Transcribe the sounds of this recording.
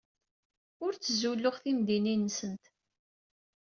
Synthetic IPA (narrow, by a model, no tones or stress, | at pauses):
ʊɾt͡sːəzulːʊʁθimd̪ininːsənt̪